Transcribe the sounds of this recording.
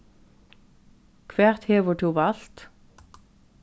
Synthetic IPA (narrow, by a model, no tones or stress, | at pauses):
kʰʋæːʁt̪heːʋʊʈʰuːʋɑlt̪